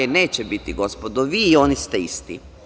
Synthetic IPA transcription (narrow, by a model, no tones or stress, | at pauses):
eneːt͡ɕebit̪iɡo̞spod̪oʋiːo̞nist̪eist̪ḭ